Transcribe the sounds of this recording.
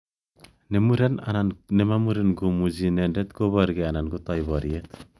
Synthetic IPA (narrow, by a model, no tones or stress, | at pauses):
nemuɾena̰nanemamuɾenɡumud͡ʒinendet̪̚ɡoβaɾɡeananɡot̪ajbaɾiet̪̚